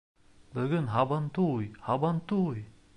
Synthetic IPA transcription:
bɵɡɵnɦɑbɑnt̪ujhɑbɑnt̪uj

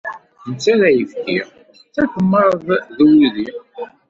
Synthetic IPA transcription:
nt͡sːæɾæjəfkiʁ | θækəmːəɾˤðˤðuwlði

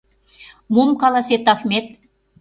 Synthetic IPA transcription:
mumkɑlɑset̪ɑxmʲet̪̚

